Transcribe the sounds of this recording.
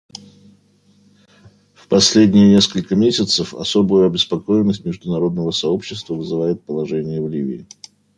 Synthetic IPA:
fpɐsʲlʲedʲnʲɪjənʲe̞skəlʲkəmʲesʲɪt̪səfɐ̰so̞bʊjʊɐbʲɪspɐko̞jɪnːəsʲtʲmʲɪʐd̪ʊnɐɾo̞d̪̚nəvəsɐo̞pɕːɪst̪vəvɨzɨvajɪt̪̚pəlˠɐʐɛnʲɪjəvlʲivʲɪ̰ː

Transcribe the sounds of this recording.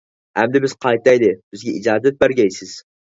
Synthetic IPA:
hæmd̪ɪbɪz̥qʰɑjt̪ajd̪ɪb̥ɪzɡʲaid͡ʒɑːd̪at̪̚bæɾɡʲajsɪz̥

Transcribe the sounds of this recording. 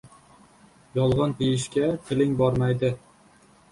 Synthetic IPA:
jɒlˠʁɑnt̪ʰejɪʃkʲat̪ʰɪlɪŋbɒɾmajd̪ɪ

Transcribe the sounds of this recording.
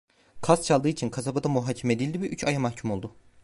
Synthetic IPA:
kʰast̪̚t͡ʃʰalˠd̪ɯːit͡ʃʰinkʰazabad̪amuɦaːcʰɛmɛd̪ijlʲd̪ivɛʔyt͡ʃʰajamaxcʰumo̞lˠd̪u

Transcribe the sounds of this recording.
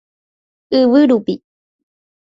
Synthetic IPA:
ɨβɨɾupi

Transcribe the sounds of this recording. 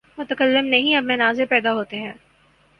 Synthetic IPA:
mʊt̪əkəlːɪmnɐɦĩɐbmẽnaːzepɛːd̪aɦoːt̪eɦɛ̃ː

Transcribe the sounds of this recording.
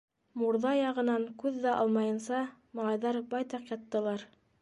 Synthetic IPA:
muɾðɑjɑʁɤ̆nɑŋkʉðːæʔɑlˠmɑjɤ̆nsɑmɑlˠɑjðɑɾbɑjt̪ɑqjɑt̪ːɤ̆lˠɑɾ

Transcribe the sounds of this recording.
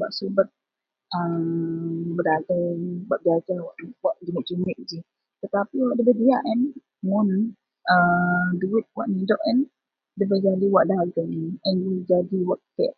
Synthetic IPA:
ba̰ʔsubət̪̚ | ə | bəɾaɡabaʔbiad͡ʒawaʔnwaʔd͡ʒiŋəʔd͡ʒumɪʔ̚d͡ʒi | t̪ət̪apiwaʔdəbədiaʔɛn | mʊn | əduɾʊt̪̚wa̰ʔnidɔʔɛn | dəbəd͡ʒadiwaʔdaɡəŋɛnid͡ʒadiwaʔ̚t̪ɛ̰ʔ

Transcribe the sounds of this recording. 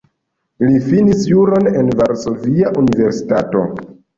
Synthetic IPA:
lifinisjuɾo̞nenvaɾso̞viaʔunive̞ɾsi̥tato̞̰

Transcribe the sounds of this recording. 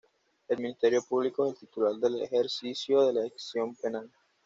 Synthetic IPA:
elminist̪eɾjo̞puβlikoeselt̪it̪ulaɾd̪e̞lḛxeɾsisjoðe̞laeksjo̞mpenal

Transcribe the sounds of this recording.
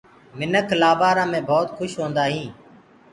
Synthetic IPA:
mɪnəkʰlaːbaːɾãːmẽːbʱɔːt̪xʰʊʃɦõːnd̪aːɦĩː

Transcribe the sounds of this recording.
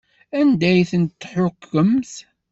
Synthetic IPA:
ænd̪æjθənt̪ːħʊkːəmθ

